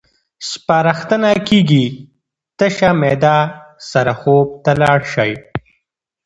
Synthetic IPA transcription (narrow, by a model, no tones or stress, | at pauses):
spaːɾaxt̪ənakiːɡi | t̪əʃamed̪asaɾaxob̚t̪alɑːɽʃaj